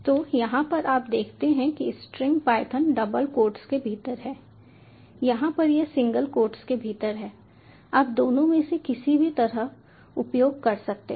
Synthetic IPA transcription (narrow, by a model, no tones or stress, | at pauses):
t̪oːjɐɦãpɐɾʔaːpd̪eːkʰt̪eɦɛ̃kisʈɾɪ̃ŋɡpaːɪt̪ʰənɖɐbəlkoːɾʈskebʱiːt̪əɾɦɛː | jɐɦãpɐɾjesɪ̃ŋɡəlkoːɾʈskebʱiːt̪əɾɦɛː | aːp̚d̪oːnõmẽsekɪsibʱit̪ɐɾəɦ | ʊpjoːɡ̚kɐɾsɐk̚t̪ḛ